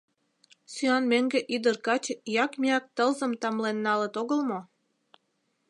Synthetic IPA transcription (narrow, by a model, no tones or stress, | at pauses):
syɑnmeŋɡeʔyd̪ərkɑt͡ɕjɑkmiɑk̚t̪əlzə̆mt̪ɑmlenːɑlət̪oɣəlmo